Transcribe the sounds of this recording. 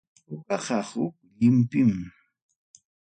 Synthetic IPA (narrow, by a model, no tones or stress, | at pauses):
ʊɢɑɢɑhʊk̚ʎɪmpɪm